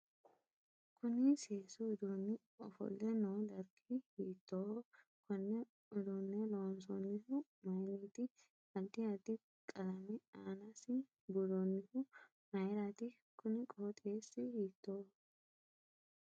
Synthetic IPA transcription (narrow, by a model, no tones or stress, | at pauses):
kʊnɪseːsʊɪd̪unːɪ | ɔfɔ̰lːɛnoːd̪ɐɾkʰɪhiːt̪ːoː | kʊnːɛ | ʊd̪unːɛloːns̬ɔnːɪhʊmɐjniːt̪ɪ | ɐld̪ɪɐd̪ɪ | kʼɐlɐmɪaːnasɪ | bʊd̪ɔnːɪhʊ | mɐjɾaːt̪ɪ | kʊnɪkʼoːt̪ʼeːsːɪhiːt̪ːoː